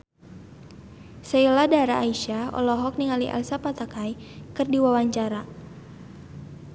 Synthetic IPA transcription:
səiladaɾaːiʃaɔ̰lɔɦɔk̚niŋaliʔa̰lsapat̪akajkɨrdiwawaɲt͡ʃaɾa

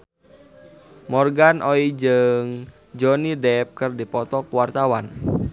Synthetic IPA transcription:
mɔrɡanʔoid͡ʒɨŋ | d͡ʒɔnidɛp̚kɨrdipɔt̪ɔkuwart̪awan

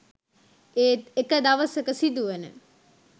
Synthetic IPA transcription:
eːt̪ekəd̪aʋəsəkəsid̪uʋenə̰

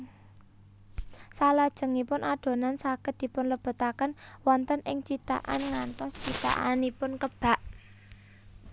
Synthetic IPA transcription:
salad̥ʒ̥ə̤ŋipʊnʔaɖ̪̥o̤nansakət̪̚d̪̥i̤pʊnləb̥ə̤t̪akənwɔnt̪ənʔɪŋt͡ʃit̪a̰ʔa̰nŋant̪ɔst͡ʃit̪a̰ʔanipʊnkəb̥a̤ʔ

